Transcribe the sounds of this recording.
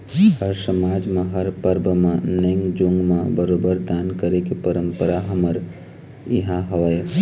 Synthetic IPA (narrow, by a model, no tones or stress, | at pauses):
həɾsəmaːd͡ʒmẽɦəɾpəɾbəmãnẽŋɡd͡ʒʊ̃ŋɡmẽbəɾoːbəɾd̪aːnkəɾekepəɾə̃mpəɾaɦɐməɾ | ɪɦãɦoːe